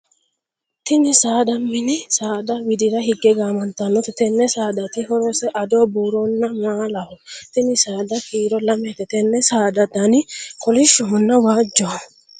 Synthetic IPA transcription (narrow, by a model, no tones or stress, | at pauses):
t̪ɪnɪsaːd̪ɐmːɪnɪsaːd̪ɐwɪd̪ɪɾɐɦɪɡːɛɡaːmɐnt̪ːɐnːɔt̪ɛt̪ɛnːɛsaːd̪ɐt̪ɪɦɔɾɔsɛʔɐd̪oːbuːɾonːɐmaːlɐhɔt̪ɪnɪsaːd̪ɐkiːɾɔlɐmɛt̪ɛt̪ɛnːɛsaːd̪ɐd̪ɐnɪkɔlɪʃːɔɦʊnːɐwaːd͡ʒːɔɐ